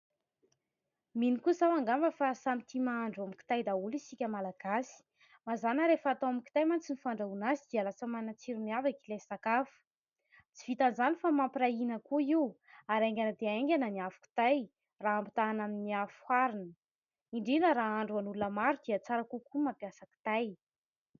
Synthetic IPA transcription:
minikusawaŋɡambəfasamit̪ʰimaaɳɖ͡ʐuamki̥t̪ajd̪aulisikʲəmalaɡ̥asi̥ | mazanəɾefaːt̪owamiki̥t̪ajmant͡sinifaɳɖ͡ʐaunazid̪̥ialasəmanat͡siɾimiavakilajsakafu̥ | t͡si̥vit̪anzanifamampiɾainəkuiwaɾeŋɡʲanəd̪eeŋɡʲanəniafu̥ki̥t̪aj | raampi̥t̪anaminiafu̥haɾinə | iɳɖ͡ʐinəɾaaɳɖ͡ʐuanulunəmaɾud̪iət͡saɾakukumapjasaki̥t̪aj

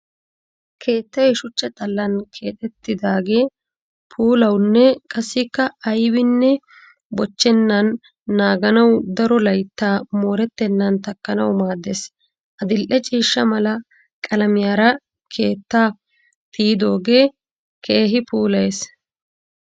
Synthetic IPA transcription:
kʰe̞ːt̪ːɐjɛʃʊt͡ʃːɐt̪ʼɐlːɐnkʰe̞ːt̪ʼɛt̪ːɪd̪aːɡe̞ː | pʰuːlɐwnːɛkʼɐsːɪkːɐɐjwɪnːɛ | bɔt͡ʃːɛnːɐnː | aːɡɐnɐwd̪ɐɾɔlɐjt̪ːaːmoːɾɛt̪ːɛnːɐnt̪ɐkːɐnɐ̰wmaːd̪ːes | ʔɐd̪ɪlʔɛt͡ʃʼiːʃːɐmɐlɐ | kʼɐlɐmɪjaːɾɐ | kʰe̞ːt̪ːaː | t̪iːd̪o̞ːɡe̞ː | kʰe̞ːɦɪpuːlɐjes

